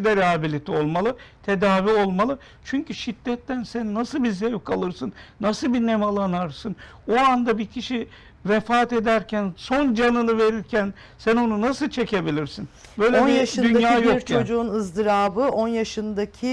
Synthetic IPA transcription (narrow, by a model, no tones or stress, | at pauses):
d̪ɛɾɛɦabilʲit̪ʰio̞lˠmalˠɯt̪ʰed̪aːvio̞lˠmalˠɯ | t͡ʃʰyɲcyʃid̪ːɛt̪ːænsænːasɯlˠbizevkʰalˠɯɾsɯnːasɯlˠbinemalˠanaɾsɯn | oand̪abicʰiʃi | vefaːt̪e̞d̪æɾcʰænso̞nd͡ʒanɯnɯve̞ɾiɾcʰæn | sæno̞nunasɯlˠt͡ʃʰe̞cʰe̞bilʲiɾsin | bø̞jlʲenijaʃɯynjaːjoɾkjod͡ʒuunɯzd̪ɯɾaːbɯʔo̞njaʃɯnd̪acʰi